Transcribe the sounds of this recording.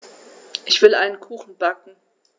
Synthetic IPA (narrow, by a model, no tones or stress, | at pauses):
ʔɪçv̥ɪlʔa̰ɪnənkʰuːxn̩bakŋ̩